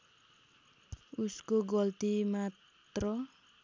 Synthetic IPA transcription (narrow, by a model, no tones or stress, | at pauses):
uskoɡʌlt̪imat̪rʌ